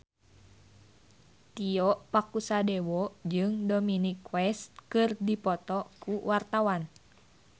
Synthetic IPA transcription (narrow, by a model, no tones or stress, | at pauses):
t̪iɔʔpakusadewɔd͡ʒɨŋdominikwɛst̪̚kɨrdipɔt̪ɔkuwart̪awan